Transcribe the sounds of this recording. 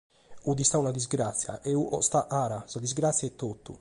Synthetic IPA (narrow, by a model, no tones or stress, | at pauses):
ud̪ist̪aunad̪izɡɾat̪sːja̰ʔɛuʔɔ̰st̪aʔaːɾasad̪izɡɾat̪sːjaɛt̪ːot̪ːṵ